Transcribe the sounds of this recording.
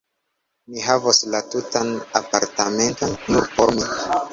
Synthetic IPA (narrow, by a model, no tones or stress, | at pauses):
miɦavoslatutanapaɾtame̞ntonːuɾpoɾmi